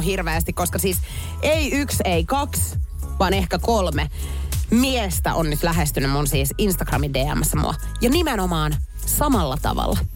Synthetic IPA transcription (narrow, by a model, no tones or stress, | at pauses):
ɦirʋeːst̪ikoskɑsiːs | ʔeiykseikɑksʋɑːnehkækolmemiest̪æ̰ʔonnyt̪læɦest̪ynːymmunsiːsinst̪ɑɡ̥rɑmindeːæ̰mːæsːæmṵɑ̰ | jɑnimenomɑːn | sɑmɑlːɑt̪ɑ̰ʋɑ̰lːɑ